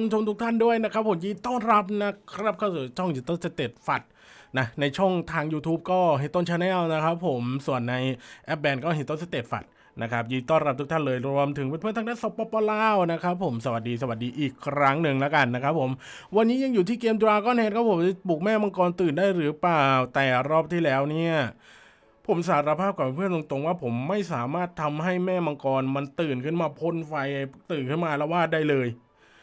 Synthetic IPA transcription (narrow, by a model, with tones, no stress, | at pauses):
t͡ɕʰo˧mt̪ʰu˦˥k̚t̪ʰa˥˩ndu˥˩əjna˦˥kʰɾa˦˥pʰːo˩˦mjiː˧t̪ɔː˥˩nɾa˦˥p̚na˦˥kkʰɾa˦˥p̚kʰaː˥˩wsu˨˩t͡ɕʰɔ˥˩ŋjiː˧˩t̪o˥˩nse˧˩t̪eː˨˩t̪̚fa˨˩t̪̚ | na˦˥˩na˧jt͡ɕʰɔ˥˩ŋt̪ʰaː˧ŋjuː˧t̪ʰuː˦˥p̚kɔː˥˩ɦe˨˩t̪o˥˩nt͡ɕʰaː˧nɛː˥˩wna˦˥kʰa˦˥pʰːo˨˩˦msu˨˩ənːa˧jʔɛ˦˥p̚bɛː˧nkɔː˥˩ɦe˨˦˩t̪o˥˩nse˨˧˥t̪eː˨˩t̪̚fa̰˨˩t̪̚ | na˦˥kʰa˦˥p̚jiː˧˩t̪ɔː˥˩nɾa˦˥p̚t̪ʰu˦˥t̪ʰa˥˩nlɤː˧jɾu˧əmt̪ʰɯ˩˦ŋpe˧npʰɯ˥˩˨t̪ʰa˧˥daː˥˨nso˧˥pːɔː˧pɔː˧laː˧˥˩wna˦˥kʰɾa˦˥pʰːo˩˦msa˧wa˨˩t̪̚diː˧s̬a˧wa˨˩t̪̚diː˧ʔiː˨˩kʰːɾa˦˥ŋnɯ˨ŋlɛ˦˥ka˧nːa˦˥kʰa˦˥p̚ʰːo˩˦m | wa˧nːiː˦˥ja˧ŋjuː˨˩t̪ʰiː˥˩keː˧md̪ɾaː˧kɔː˥˩nhɛː˧˥nkʰɔ˥˩pʰo˨˩˦mt͡ɕa˧˩puː˨˩k̚mɛː˥˩ma˧ŋkɔː˧nt̪ɯː˨˩ndaː˥˩jɾɯː˩˦plaː˨˩wt̪ɛː˨˩ɾɔː˥˩p̚t̪ʰiː˥˩lɛː˦˥wni˥˩ɐ | pʰo˩˦ms̬aː˩˦ɾa˧pʰaː˥˩p̚kaː˨˩pe˧npʰɯ˥˩ənt̪o˧ŋt̪o˧ŋwaː˥˩pʰo˩˦mːa˥˩jsaː˩˦maː˥˩t̪ʰːa˧mɦa˥˩jmɛː˥˩ma˧ŋkɔː˧nma˧nt̪ɯː˨˩nkʰɯ˥˩nmaː˧pʰo˧˥˨nfa˧jt̪ɯː˨˩nkʰɯ˥˩nmaː˧lɛː˦˥waː˥˩t̪̚daː˥˩jlɤː˧j